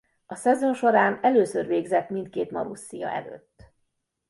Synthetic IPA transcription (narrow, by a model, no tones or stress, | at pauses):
ɒsɛzo̞nʃo̞ɾaːnɛløːsørveːɡzɛt̪mint̪̚keːt̪mɒɾusːijɒ̰ʔɛ̰lø̰ːt̪ː